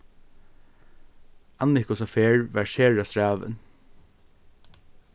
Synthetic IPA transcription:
anːɪkʊsafeːɹʋæɹʃeːɹast̪ɹaːʋə̰n

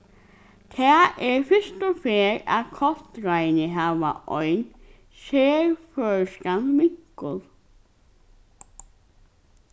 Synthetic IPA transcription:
t̪ʰɛːʔɛɹfɪst̪ʊfeːɾa̰ðkʰɔlt̪ɾajnɪɦaːʋa̰ʔɔjn | seːɹfœːɹskanmɪŋ̥kʊlˠ

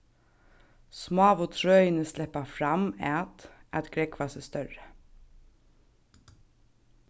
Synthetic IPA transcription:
smoʋot̪ʰɹœʏənəslɛpɑfɾɑmæt̪ʔɑt̪ɡ̥ɾɛkʰʋɑːsɛst̪œɹə

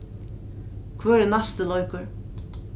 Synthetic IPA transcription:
kʰvøːɾɛnast̪ɪlɔjkʏɾ

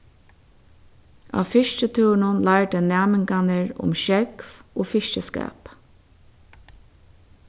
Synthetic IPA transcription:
a̰ːfɪʃcət̪ʰuːwnʊnlaɪɹd̪ɛnæːmɪŋkanəɹʊ̰mʃɛkfoːfɪʃt͡ʃəskɛ̰ːp

